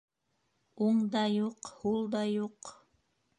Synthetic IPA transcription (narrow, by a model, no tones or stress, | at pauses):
uɴd̪ɑjuqhulˠd̪ɑjuq